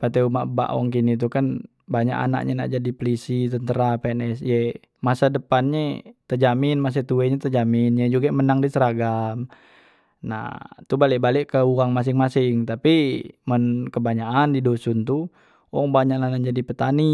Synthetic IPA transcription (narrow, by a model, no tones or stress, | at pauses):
pat̪ɛuma̰ʔba̰ʔwɔ̰ŋkinit̪̬ukan | baɲa̰ʔa̰na̰ʔɲana̰ʔd͡ʒadipəlisit̪ənt̪əɾapɛnɛsjɛ | masadəpanɲet̪əd͡ʒaminmas̬at̪uɛɲɛt̪əd͡ʒaminjɛd͡ʒuɡamənaŋdisəɾaɡam | na̰t̪ubalɛʔbalɛʔkəuaŋmas̬iŋmasɪŋt̪apimənkəbaɲaandidosunt̪u | wɔŋbaɲaʔlanand͡ʒadipət̪ani